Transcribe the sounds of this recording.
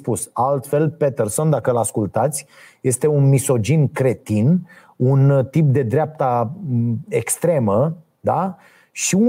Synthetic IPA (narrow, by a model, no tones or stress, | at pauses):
pusalt̪fe̞lpet̪erso̞nd̪akəlaskult̪at̪sʲ | je̞st̪e̞unmiso̞d͡ʒinkɾe̞t̪in | unt̪ip̚d̪e̞d̪ɾeap̚t̪a | ekst̪ɾe̞mə | d̪a | ʃiu